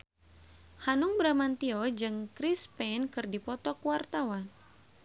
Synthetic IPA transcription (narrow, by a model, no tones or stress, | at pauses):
hanuŋbɾamant̪iɔd͡ʒɨŋkɾispɛnkɨrdipɔt̪ɔkuwart̪awan